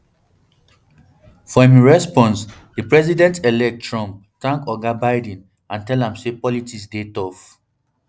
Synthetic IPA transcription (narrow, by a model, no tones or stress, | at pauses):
fɔmiɹɛspɔ̃ns | dəpɹɛzidɛ̃ntʰɛlɛk̚tɹɔ̃mp̚tãŋkɔɡabaɪdɛ̃n | ãntɛlãmsepɔlitiksdetɔf